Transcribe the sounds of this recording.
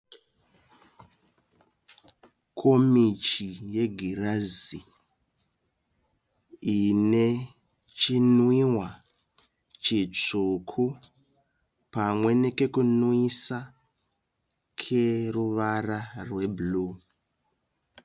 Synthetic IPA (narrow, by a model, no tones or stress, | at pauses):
kʰo̞mit͡ʃije̞ɡʱirazi | ine | t͡ʃinuiwa | t͡ʃit͡ʂukʰu | pamwe̞ne̞ke̞kunuisa | kʰeruʋararwe̞buluː